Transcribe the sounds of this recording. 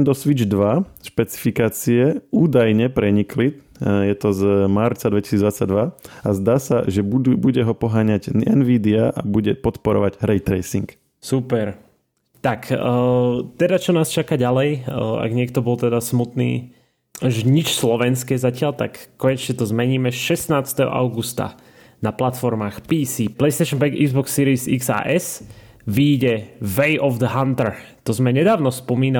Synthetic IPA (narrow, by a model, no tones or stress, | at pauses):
nd̪ɔsʋid͡ʒd̪ʋaʃpɛt͡si̥fikaːt͡siɛuːd̪ajɲɛpɾɛɲikli | jɛt̪ɔzmaɾt͡sad̪ʋɛcisiːd͡zzd̪ʋat͡sːaɟ̚d̪ʋaazd̪aːsa̰ʒɛbuɟɛɦɔpɔɦaːɲaɟɛnʋiːd̪iaʔabuɟɛpɔt̪pɔɾɔ̰ʋaɟɾɛjt̪ɾɛjsḭŋk | supɛɾ | t̪akː | t̪ɛd̪at͡ʃɔnaːst͡ʃakaɟalɛja̰ɡɲɪɛkt̪ɔbɔlt̪ɛd̪asmut̪nḭː | ʒɛɲit͡ʃslɔʋɛnskɛzacɪalt̪a̰kːɔɲɛt͡ʃɲɛt̪ɔzmɛɲiːmɛʃɛsnaːt͡st̪ɛɦɔ̰ʔa̰ʊɡust̪a̰ | naplat̪fɔɾmaːxpiːsiːplɛjst̪ɛjʃɔnpɛɡḭɡzbɔksːiːɾisiksa̰ːʔɛs | ʋiːɟɛʋɛjʔɔvd̪əɦant̪ɛɾt̪ɔzmɛɲɛd̪aːʊnɔspɔmiːna